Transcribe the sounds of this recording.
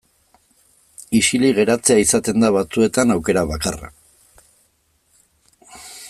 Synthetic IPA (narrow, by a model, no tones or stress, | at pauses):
iʃiliɣ̞e̞ɾat͡se̞aisat̪e̞nd̪aβat͡sue̞t̪anawke̞ɾaβakara̰